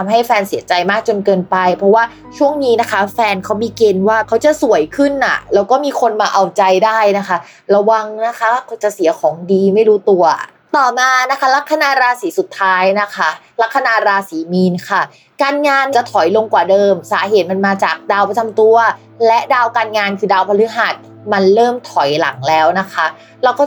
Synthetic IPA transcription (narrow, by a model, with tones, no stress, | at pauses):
a˧mɦa˥˩jfɛː˧nsi˨˩˦ɐt͡ɕa˧jmaː˥˩k̚t͡ɕo˧nkɤː˧npa˧jpʰɾɔ˦˥waː˥˩ | t͡ɕʰu˥˩əŋniː˦˥na˦˥kʰa˦˥fɛː˧nkʰa˦˥wmiː˧ke˧nwaː˥˩kʰa˦˥wt͡ɕa˨˩su˨˩˦əjkʰɯ˥˩nʔa̰˨˩lɛː˦˥wkɔː˥˩miː˧kʰo˧nmaː˧ʔa˧wt͡ɕa˧jdaː˥˩jna˦˥kʰa˦˥ | ɾa˧wa˧ŋna˦˥kʰa˦˥kʰt͡ɕa˨˩si˨˩˦kʰɔː˩˦ŋdiː˧ma˥˩jɾuː˦˥t̪u˧ɐ | t̪ɔː˨˩maː˧na˦˥kʰa˦˥la˦˥kʰːa˧naː˧ɾaː˧siː˩˦su˨˩t̪ʰːaː˦˥jna˦˥kʰa˦˥ | la˦˥kʰːa˧naː˧ɾaː˧siː˩˦miː˧nkʰa˥˩ | kaː˧nŋaː˧nt͡ɕa˨˩t̪ʰɔ˨˩˦jlo˧ŋkwaː˨˩dɤː˧msaː˩˦ɦeː˨˩˦t̪̚ma˧nmaː˧t͡ɕaː˨˩k̚daː˧wpʰa˧t͡ɕʰa˧mt̪u˧ɐ | lɛ˦˥ʔdaː˧wkaː˧nŋaː˧nkʰɯː˧daː˧wpʰa˧lɯ˦˥ɦaː˨˩t̪̚ | ma˧nɾɤː˥˩mt̪ʰɔ˩˦jla̰˨˩˦ŋlɛː˦˥wna˦˥kʰa˦˥ | ɾa˧wkɔː˥˩